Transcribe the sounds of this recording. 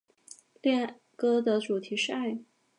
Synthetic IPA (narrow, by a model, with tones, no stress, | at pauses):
ljɛ˥˩n | kɤ˥d̪ə˨ʈ͡ʂu˨˩t̪ʰi˧˥ʂɻ̩˥˧a˥˩ɪ